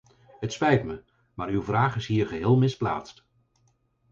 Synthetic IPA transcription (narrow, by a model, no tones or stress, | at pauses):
ɦətspɛjtmə | maːɾywvraːχɪsɦiːɹχəɦɪːlˠmɪspla̰ːtst